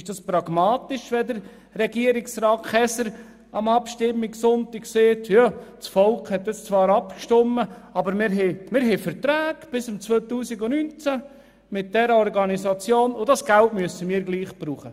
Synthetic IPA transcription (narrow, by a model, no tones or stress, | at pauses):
ɪʃd̥ɑspɾɑɡ̥mɑːt̪ɪʃʋɛd̪əɾ | rɛɡiəɾɪksɾɑːkχɛsəɾ | ɑmɑpʃtɪmːɪksʊnt̪ɪkseːtjɑt͡sfɔlkhɛt̪ːəst͡sʋɑːɾɑpkʃtɔmːəɑbəɾmɪɾɦɛmɪɾɦɛfəɾt̪ɾæːɡ̥b̥ɪsʊmt͡sʋoːt̪uːsiɡonynt͡sæ | mɪt̚d̥ɛɾəɔɾɡɑnisɑt͡sjoːnʊdɑsɡ̥æltmyəsəmiːɾɡliːχb̥ɾuːχə